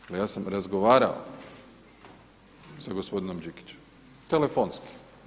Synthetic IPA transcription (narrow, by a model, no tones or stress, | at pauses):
alijaːsamɾazɡo̞ʋaːɾa̰o̰ | saɡospo̞d̪ino̞md͡ʒiki̥t͡ɕem | t̪elefonski̥